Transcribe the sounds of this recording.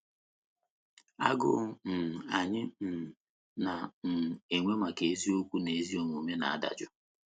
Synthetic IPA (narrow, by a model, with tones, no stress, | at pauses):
a̰˦ɡʊ̰˦n̩˨a˨ɲɪ˦n̩˨ | na˨n̩˨e˨ŋʷe˦ma˨ke˨e˦zi˦o˦kʷu˦ne˨e˦zi˦o˨ŋʷu˨me˦na̰˨a˦da̰˨d͡ʒʊ˦